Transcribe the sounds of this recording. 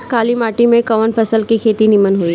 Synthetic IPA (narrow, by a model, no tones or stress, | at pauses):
kaːlimaːʈimẽkɐʋənpʰɐsəlkikʰeːt̪inɪmənɦui